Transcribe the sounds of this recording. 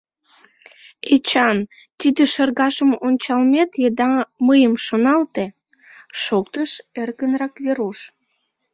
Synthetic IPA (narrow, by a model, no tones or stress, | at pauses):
et͡ɕɑn | t̪id̪eʃərɣɑʃəmonʲt͡ɕɑlmet̪jed̪ɑməjəmʃonɑlt̪e | ʃokt̪əʃerkənrɑkβeɾuʃ